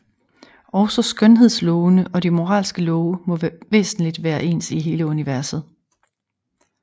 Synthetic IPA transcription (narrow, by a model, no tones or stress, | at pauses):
ɒʊsɒ̽sɡ̥œnɦe̝ð̰ˠslɔʊnəʔɒ̽dimo̝ʁɑ̰̈ːlsɡ̥əlɔʊəmɒ̽ʋe̝̰ːsn̩lid̥ʋæːɐʔe̝̰ːnsiɦe̝ːləuniʋæɐsð̞̩ˠ